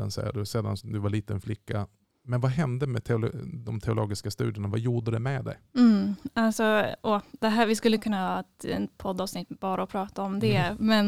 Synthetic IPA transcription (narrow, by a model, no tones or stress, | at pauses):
a̰nsɛ̰jːə̰ɖ̪ɵseːd̪a̰nsɔd̪ɵvaɭiːt̪ənflɪkːa | mɛnvaɦɛnd̪əmɛt̪ʰɛʊld̪ɔmt̪ʰɛʊloːɡɪskast̪ʉ̟ːd̪ɪənavajuːɖəd̪ɛmɛd̪ɛ̰j̩alsɔɔd̪̥ɛɦæːɾvɪskɵlːəkʰɵnːahɑːɛt̪ɛ̰pʰɔd̪ɑːvsnɪt̪ːbɑːɾaɔpʰɾɑːt̪aɔmd̪ɛmɛn